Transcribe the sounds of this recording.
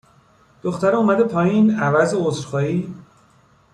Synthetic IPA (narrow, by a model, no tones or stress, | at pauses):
d̪̥oxt̪æɾeumæd̪epʰɒːjiːnævæzeozɾxɒːiː